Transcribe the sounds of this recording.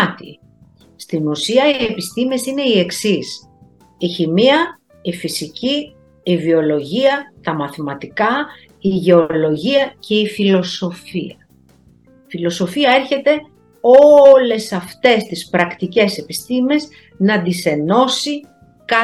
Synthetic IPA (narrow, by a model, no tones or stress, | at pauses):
t̪ḭ | st̪inusiɐie̞pist̪ime̞sine̞ie̞ksis | içimiɐ | ifisiciː | vio̞lo̞ʝiɐt̪ɐmɐθimɐt̪ikɐ | iʝe̞o̞lo̞ʝiɐce̞ifilo̞so̞fiɐ | filo̞so̞fiɐe̞ɾçe̞t̪e̞ | o̞le̞sɐft̪e̞st̪ispɾɐkt̪ice̞se̞pist̪ime̞z | nɐd̪ise̞no̞si | kɐ